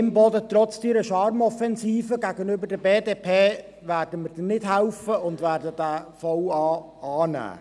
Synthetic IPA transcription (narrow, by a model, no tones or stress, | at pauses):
ɪmbɔdət̪ɾɔt͡sdiːɾəʃɑɾmɔfɛnsiːfəɡæɡənʏbərdəbeːdeːpʰeː | værd̥əmərd̥ɛnːɪd̥ɦɛlfəʊndvæːɾdədæfɔwɑː | ɑːnæ̰ː